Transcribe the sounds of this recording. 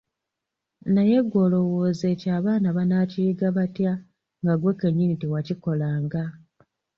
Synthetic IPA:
naje̞ɡwo̞ːlo̞wo̞ːze̞caːβaːnaβanaciiɡaβatja | ŋɡaɡwekeɲːinitiwaciko̞laːŋɡa

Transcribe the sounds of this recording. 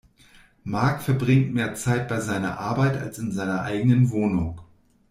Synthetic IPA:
maɐkfɛɐbʁɪŋtmeːɐt͡saɪt̚b̥aɪzaɪnɐ̰ʔaɐbaɪta̰lsɪnzaɪnɐʔa̰ɪɡənənvoːnʊŋ

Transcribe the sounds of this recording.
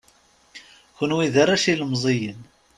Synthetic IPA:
kʊnwiðaɾæʃiləmzˤejən

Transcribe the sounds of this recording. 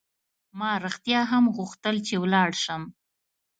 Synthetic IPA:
mɑɾɪxt̪jɑɦamɣuxt̪əlt͡ʃewlɑɽʃəm

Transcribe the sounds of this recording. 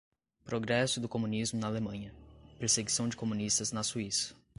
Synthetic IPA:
pɾoɡɾɛsʊd̪ʊkomũnizmʊnɐːlemɐ̃ɲɐpeɾseɡisɐ̃w̃d͡ʒɪkomũnist̪ɐznɐsuisɐ̥

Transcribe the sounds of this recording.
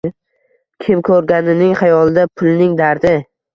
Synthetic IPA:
kʲʰɪmkʰɵɾɡʲanɪnɪŋχajɒlˠd̪apʰʊlnɪŋd̪aɾd̪ɪ

